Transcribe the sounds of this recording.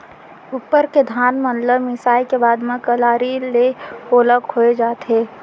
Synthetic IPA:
upːəɾked̪ʱaːnmə̃nləmɪsaːikebaːd̪mẽkəlaːɾilekoːləkhoːed͡ʒaːt̪ʰeː

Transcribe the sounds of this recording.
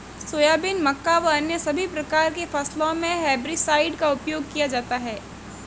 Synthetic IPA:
soːjaːbɪnmɐkːaʋɐɐnjəsɐbʱipɾɐkaːɾkefɐslõmẽɦɛːbɾisaːɪɖkaʊpjoːɡ̚kijad͡ʒaːt̪aɦɛː

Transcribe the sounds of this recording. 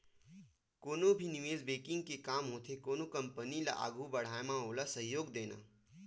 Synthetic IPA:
koːnobʱinɪʋeːzbeːkɪ̃ŋɡ̚kekaːmɦoːt̪ʰekoːnokɐ̃mpənila̰ʔa̰ːɡʱubɐɽ̤aːemãɦoːlasɐɦjoːɡd̪eːna̰ː

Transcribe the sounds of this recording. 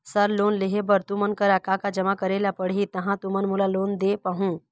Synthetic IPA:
səɾloːnlɪɦebəɾt̪ũmənkəɾakakad͡ʒəmakəɾelapəɽɦit̪ɐɦãt̪umənmulaloːnd̪epəɦũ

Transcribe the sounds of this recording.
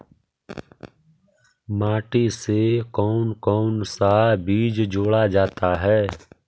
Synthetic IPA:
maːʈisekɔːnkɔːnsabiːd͡ʒd͡ʒoːɽad͡ʒaːt̪aɦɛː

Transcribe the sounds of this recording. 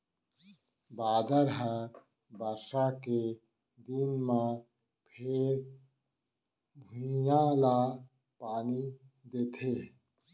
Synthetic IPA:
baːd̪əɾɦəɾ | baɾʃake | d̪inmã | pʰeːɾ | bʱujãla | paːni | d̪eːt̪ʰe

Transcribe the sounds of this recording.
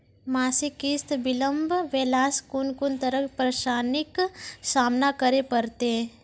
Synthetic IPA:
maːsikist̪bɪlə̃mbʱʋeːlaːskunkʊnt̪əɾəkpɾəʃaːnɪksaːmnakəɾepɐɾt̪e

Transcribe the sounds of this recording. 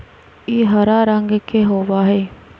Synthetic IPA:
iːɦəɾaːɾəŋɡkeɦoːʋaːɦɛː

